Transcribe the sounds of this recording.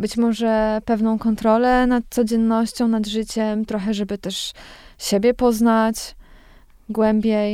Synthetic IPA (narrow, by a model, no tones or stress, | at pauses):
bɘt͡ɕmɔʐɛpɛvnɔ̃w̃kɔnt̪ɾɔlɛnat̪̚t̪sɔd͡ʑɛnːɔɕt͡ɕɔ̃w̃nad̪ʐɘt͡ɕɛmt̪ɾɔxɛʐɛbɘt̪ɛʂɕebʲjɛpɔznat͡ɕ | ɡwɛmbʲjej